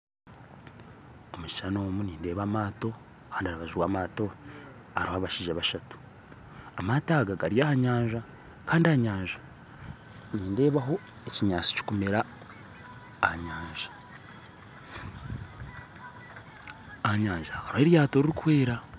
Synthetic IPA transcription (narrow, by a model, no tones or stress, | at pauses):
omut͡ʃi̥t͡ʃano̞ːmuniːnde̞ːβamaːto̞ | kaːndiaɾaβaʒiwaːmaːto̞ | aɾuhaβaʃiʒaβaʃatu̥ | amataɡaɡaɾijahaɲaːɲʒa | kaːndiaɲaːɲʒḁ | niːnde̞ːβaɦo̞ | eciɲaːt͡si̥ci̥kumeɾa | hɲaːɲʒḁ | haɲaːɲʒakaɾoheɾjaːto̞ɾiɾikwe̞ːɾa